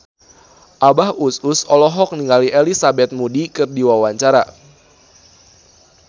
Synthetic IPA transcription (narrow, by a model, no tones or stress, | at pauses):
ʔabahususɔlɔɦɔk̚niŋɡaliʔelisabɛt̪̚mudikɨrdiwawaɲt͡ʃaɾa̰